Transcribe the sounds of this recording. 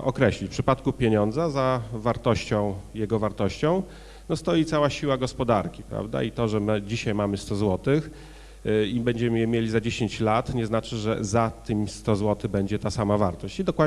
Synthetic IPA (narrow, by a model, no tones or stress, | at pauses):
ɔkɾɛɕlʲifpʂɘpat̪kupʲjeɲɔnd̪zazavaɾt̪ɔɕt͡ɕɔ̃w̃jɛɡɔvaɾt̪ɔɕt͡ɕɔ̃w̃ | nɔst̪ɔjit̪sawaɕiwaɡɔspɔd̪aɾkʲi̥pɾa̰vd̪a̰it̪ɔʐɛmɘd͡ʑiɕajmamɘst̪ɔzwɔt̪ɘx | ibɛɲd͡ʑɛmɘjɛmʲjelʲizad͡ʑeɕeɲt͡ɕlat̪ɲɛznat͡ʂɘʐɛ̰zat̪ɘmʲst̪ɔzwɔt̪ɘbɛɲd͡ʑɛt̪asamavaɾt̪ɔɕt͡ɕid̪ɔkwad̪